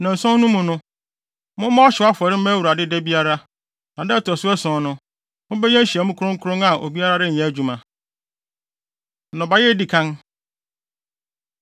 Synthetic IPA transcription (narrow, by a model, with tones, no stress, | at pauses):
nã˨n̩˨sɔ̃˦nũ˦mũ˨nʊ̃˦ | mʊ̃˦mɔ̃˦ɔ˦ɕɪ˨˦a˦fɔ˨ɾɪ˦m̩˦mæ˦wu˨ɾa˨dɪ˦dɛ˦bi˦a˦ɾa˦ | nã˨dɛ˦tɔ˨sʊ˦ɛ˦sɔ̃˨˦nʊ̃˦ | mʊ̃˦bɛ˦ɲɛ̃˦n̩˦ɕi˨ɛ˨mʊ̃˦kʊ˦ɾʊ̃˦ŋ̩˦kʰʊ˦ɾʊ̃˦ŋa˨ʔo̰˨bi˦a˦ɾa˦dɪ˦ɲ̩˨ɛ̃˨˦æ˦˨d͡ʑᶣu˨mã˨ | nɔ̃˨ba˨jɛ˦di˨kʰã˦n